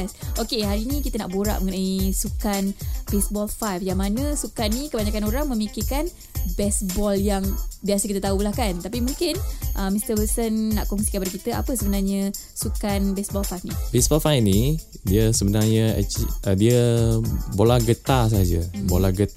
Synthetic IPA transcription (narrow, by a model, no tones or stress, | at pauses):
ɛsokeɦaɾinĩkit̪əna̰ʔboɾa̰ʔməŋənaisukanbesbɔlfajfjaŋmanəsukanːikəbaɲakanoɾaŋmə̃mikikan | bɛsbɔljaŋbiasəkit̪ət̪aulahkant̪apimũŋkɪnʔəmist̪əbəsənːa̰ʔkɔŋsikanpaɾakit̪əʔa̰pəsəbənarɲə | sukanbɛsbɔlfajfnibɛsbɔlfajfni | diəsəbənarɲəɛ̰t͡ʃiədiə | bolaɡət̪as̬aɦad͡ʒəbolaɡə